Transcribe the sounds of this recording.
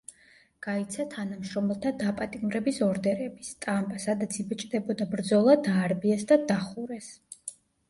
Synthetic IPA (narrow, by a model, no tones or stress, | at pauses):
ɡ̥ait̪sʰat̪ʰanamʃɾɔmɛlˠt̪ʰad̪apʼat̪ʼimɾɛbisɔɾd̪ɛɾɛbist̪ʼampʼasad̪at̪sʰibɛt͡ʃʼd̪ɛbɔd̪abɾd̪zɔlˠad̪aːɾbiɛsd̪ad̪aχuɾɛs